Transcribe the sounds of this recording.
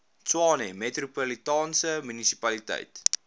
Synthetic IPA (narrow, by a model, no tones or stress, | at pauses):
t͡swɑːnemetrupolitɑːnsəmynisi̥pɐlitə̰jt